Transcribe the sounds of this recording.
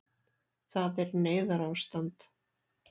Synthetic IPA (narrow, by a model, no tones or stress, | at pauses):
θaðɛɾneːjðaɾawst̪ant̪